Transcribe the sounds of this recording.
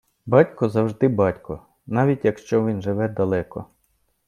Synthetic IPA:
bɑtʲkɔzɐwʒd̪ɪbɑtʲkɔ | nɑʋʲitʲjɐkʃt͡ʃɔʋʲinʒɪʋɛd̪ɐlˠɛkɔ̰

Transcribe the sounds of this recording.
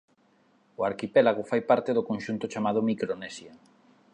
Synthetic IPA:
ʊaɾkipɛlaɣofajpaɾt̪eðʊkonʲʃunt̪ʊt͡ʃamað̞ʊmikɾonɛsja

